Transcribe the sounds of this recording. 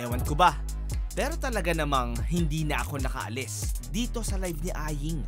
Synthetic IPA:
ɛːwɐnkobɐ | pɛːɾo̞t̪ɐlɐɡanɐmaŋhɪnd̪iːnɐʔɐko̞nɐkɐ̰ʔɐ̰lɛsd̪iːt̪o̞sɐlajvnɪʔaːjɪŋ

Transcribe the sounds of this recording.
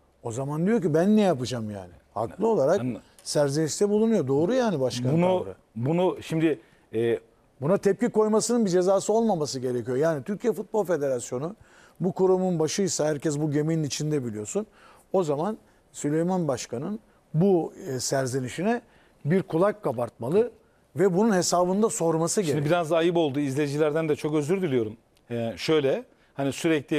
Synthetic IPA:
o̞zamand̪ijo̞ɾcibænːɛjapɯd͡ʒamja̰ːnɪha̰klˠɯo̞lˠaɾak | sæɾzeniʃt̪ʰɛbulˠunujo̞d̪o̞ːɾujaːnibaʃkʰanunuɾ | bunuʃimd̪ɪ | ɛː | bunat̪ʰɛp̚ciko̞jmasɯnɯnbid͡ʒe̞zaːsɯo̞lˠmamasɯɟe̞ɾecʰijo̞jaːnit̪ʰyɾcʰijɛfut̪̚bo̞lˠfe̞d̪e̞ɾasjo̞nu | bukuɾumunbaʃɯjsaɦhæɾcɛs̬buɟe̞mejinit͡ʃʰind̪ɛbilʲijo̞sun | o̞zaman | sylʲe̞jmanbaʃkʰanɯn | busæɾzeniʃinɛ | biɾkʰulˠakːabaɾt̪̚malˠɯ | vɛbununhe̞saːβɯnd̪aso̞ɾmasɯɟeɾanibiɾazajɯpo̞lˠd̪uizlʲed͡ʒilʲæɾd̪ænd̪ɛt͡ʃʰo̞kø̞zyɾd̪ylʲijo̞ɾum | ɛʃø̞jlʲɛ | hanisyɾɛclʲi

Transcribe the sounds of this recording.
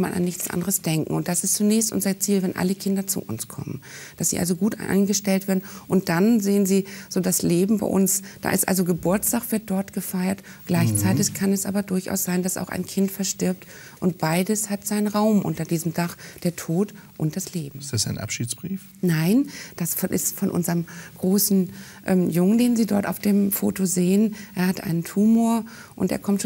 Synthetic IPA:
manʔa̰nːɪçt͡sʔa̰ndəʁəsd̥ɛŋkŋ̩ʊnt̚d̥asɪstt͡sunɛːçstʔʊ̰nzɐt͡siːlvɛnʔa̰ləkʰɪndɐt͡sṵːʔʊ̰nskʰɔ̰mə̰nd̥asz̥ḭʔa̰lzoɡuːtʔa̰a̰ɪnɡəʃtɛltv̥eːɐdn̩ʔʊnt̚d̥anzeːənziːz̥oːdasleːbm̩ba̰ɪʔʊ̰nsd̥a̰ːʔɪ̰stʔa̰lzoɡəbʊɐstaːkv̥ɪɐt̚d̥ɔɐtɡ̥əfaɪɐt | ɡ̥laɪçt͡saɪtɪçkʰanɛsʔa̰ːbɐdʊɐçʔa̰ʊsz̥aɪndasa̰ʊxa̰ɪnkʰɪntfɛɐʃtɪɐp̚t | ʔʊnt̚b̥aɪdəshatz̥aɪnənʁaʊmʔʊ̰ntɐdiːzəm̩daχd̥eːɐtʰoːt | ʔʊnt̚d̥asleːbm̩ɪsd̥asaɪnʔa̰pʃiːsb̥ʁiːf | naɪnd̥asfʔɪ̰stfɔnʔʊ̰nzəʁəmɡ̥ʁoːsn̩ʔɛ̰mjʊŋəndeːnziːdɔɐta̰ʊfd̥eːmfo̰ːtozeːənʔeːɐhatʔa̰ɪnəntʰuːmoːɐ | ʔʊntʔḛːɐkʰɔmtʃ

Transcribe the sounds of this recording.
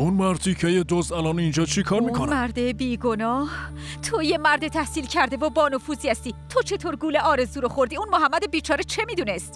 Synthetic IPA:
unmæɾt̪ʰicʰejed̪ozælɒnind͡ʒɒːt͡ʃʰikʰɒːɾmikʰonmæɾd̪ebiːɡo̞nɒːh | t̪ʰoje̞mæɾd̪et̪ʰæhsiːlcʰæɾd̪e̞vobɒːnofuːziæst̪iːt̪ʰo̞t͡ʃʰe̞t̪ʰoːɾɡuːleʔɒːɾe̞zuːɾoxo̞ɾd̪iunmoɦæmːæd̪ebiːt͡ʃʰɒːɾet͡ʃʰe̞miːd̪uːnest̪

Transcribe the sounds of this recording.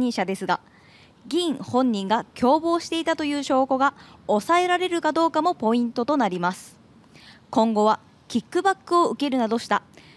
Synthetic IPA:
ĩɰɕad̪e̞sɨɡa | ɡʲĩɴ̃hõ̞ɲ̟ːĩŋɡakʲo̞ːbo̞ːɕi̥t̪e̞it̪at̪o̞jɯ̟ːɕo̞ːko̞ɡaosae̞ɾaɾe̞ɾɯ̟kad̪o̞ːkamo̞po̞ĩnt̪o̞t̪o̞naɾʲimasɨ̥ | kõ̞ŋɡo̞βa | kʲikːɯ̟bakːɯ̟o̞ɯ̟ke̞ɾɯ̟nad̪o̞ɕi̥t̪a

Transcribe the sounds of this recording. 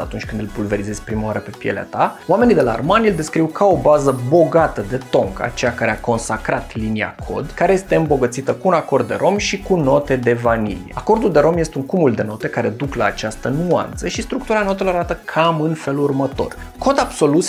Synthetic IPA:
a̰t̪unt͡ʃʲkɨnd̪ɨlpulve̞ɾize̞z̥ʲpɾimaaɾəpe̞pjḛlḛa̰t̪aoame̞nid̪e̞la̰ːrmanʲild̪e̞skɾiwkʰao̞bazəbo̞ɡat̪əd̪e̞t̪o̞ŋka̰t͡ʃe̞jakaɾe̞ako̞nsakɾat̪linia̰kʰo̞̰d̪kaɾe̞je̞st̪eɨmbo̞ɡət̪sit̪əkuːnako̞rd̪̚ːe̞̰ɾʔo̞mʃikuno̞t̪e̞d̪e̞vanḭlḭjḛako̞rd̪uld̪e̞ɾo̞mjest̪euŋkumuld̪e̞no̞t̪e̞kaɾe̞d̪uklaːt͡ʃast̪ənua̰nt̪səʃist̪ɾuk̚t̪uɾano̞t̪̬e̞lo̞aɾat̪əkʰamɨnfe̞lurmət̪o̞̰r | ko̞d̪abso̞lut̪s

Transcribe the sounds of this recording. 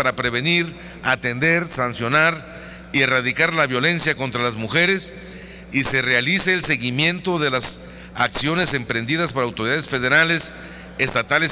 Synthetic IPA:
aɾapɾe̞β̞e̞niɾ | at̪e̞nd̪e̞ɾsansjo̞naɾ | ie̞raðikaɾlaβjo̞lensjako̞nt̪ɾalazmuxe̞ɾe̞s | ise̞realiseeːlse̞ɣimjent̪o̞ðe̞las | aksjo̞ne̞se̞mpɾe̞nd̪iðaspo̞ɾawt̪oɾiðaðesfe̞ðe̞ɾale̞s | est̪at̪ale

